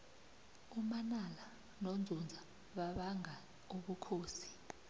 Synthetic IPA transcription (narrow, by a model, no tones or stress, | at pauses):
umanala | nond͡zʱund͡zʱa | ɓaɓaŋa | uɓukʰoːsi̥